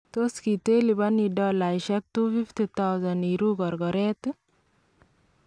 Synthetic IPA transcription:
toskitelibanidɔlajʃɛk̚tufiftit̪awzaniɾuɡɔɾɡɔɾɛt

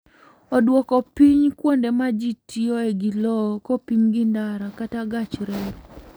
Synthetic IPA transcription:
ɔdwɔkɔpiɲkwondemad͡ʒitioeɡilɔkɔpiɲɡɪndaɾakataɡat͡ʃɾeɾ

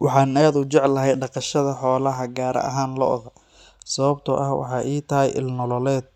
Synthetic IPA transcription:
wɑħɑːnaːðʊt͡ʃɛʕlɐɦɛjɖɑqɑʃɐðɐħɔːlɐɦɐɡaːɾʔɐ̰ʔɐ̰ɦaːnlɔ̰ʔɣɐ | sɐβɐbt̪ʰɔʔɐ̰hwɑ̰ħɑ̰ːʔiːt̪ʰɐɦɛ̰jʔɪ̰lnɔlɔlɛːd̪̚

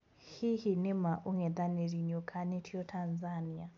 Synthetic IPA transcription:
hihinɪmaʔuŋɛd̪aniɾiɲɔkʰanitʰiɔtʰanzania

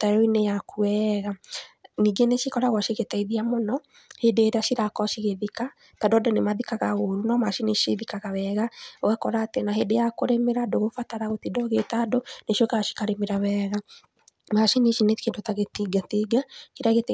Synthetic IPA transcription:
taɾoinejakuɛɣaniːɡeneʃikɔɾaɣwaʃeɣetaiðiamɔnɔ | hedeːɾeaʃiɾakɔʃiɣeðika | tadɔdonemaðikaɣaoɾunɔmaʃineʃiðikaɣawɛɣawakɔɾaːtenaɦedejakoɾemeɾadoɣofataɾaɣotidɔɣetadoneʃokaɣaʃi̥kaɾemeɾawɛɣa | maʃineʃinekendotaɣetiɡatiɡaʃiɾaɣet

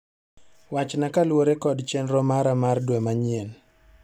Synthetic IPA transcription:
wat͡ʃnakalwoɾekɔdt͡ʃɛnɾɔmaɾamardwemaɲɪen

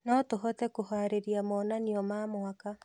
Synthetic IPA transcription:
nɔtoɦɔtɛkohaːɾeɾiamɔːnaniɔmaːmwaka

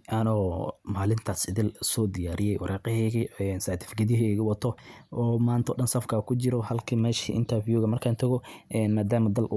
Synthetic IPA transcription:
ʔanɔːmaːlɪnt̪ʰaːsɪðɪlsɔːd̪ɪjaːɾɪjɛjwɑɾʔaːqɪhɛɣiɛnsaːt̪ʰɪ̥fɡɐðɪɦɛɣɪwɐt̪ʰɔɔːmaːnt̪ʰɔ̰ːɗɐnsɐfkʰaːkʰʊt͡ʃɪɾɔhɐlkʰɐmɛːʃḭʔɪ̰nt̪ʰɐrfjuːɣɐmɐrkʰaːnt̪ʰɐɣɔʔɛːnmaːd̪aːmɐd̪ɐlʔʊ

